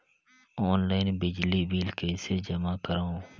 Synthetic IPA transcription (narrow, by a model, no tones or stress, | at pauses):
oːnlaːɪnbɪd͡ʒliːbiːlkeɪsed͡ʒɐmaːkəɾaũ